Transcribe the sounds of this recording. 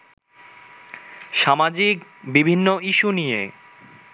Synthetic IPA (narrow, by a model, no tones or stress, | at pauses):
ʃamad͡ʑikbibʱinːoʔiʃunijḛ